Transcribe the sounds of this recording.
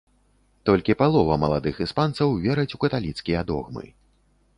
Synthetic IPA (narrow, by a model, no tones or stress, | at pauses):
t̪ɔlʲkʲipalˠɔvɐmɐlˠad̪ɨxispant̪sɐwvʲɛɾɐt͡sʲukɐt̪alʲit̪skʲijɐd̪ɔ̰ɣmɨ̰